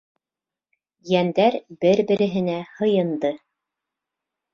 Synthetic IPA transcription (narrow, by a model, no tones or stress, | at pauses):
jænd̪æɾbɘɾbɘ̆ɾɘ̆ɦɘ̆næhɤ̆jɤ̆nd̪ɤ